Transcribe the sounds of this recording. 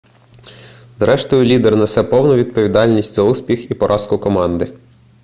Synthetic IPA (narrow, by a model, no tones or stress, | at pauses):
zɾɛʃt̪ɔjʊlʲid̪ernɐsɛpɔwnʊʋʲid̪̚pɔʋʲid̪ɑlʲnʲisʲtʲzɐusʲpʲixipɔɾʔɑskʊkɔmɑnd̪ɪ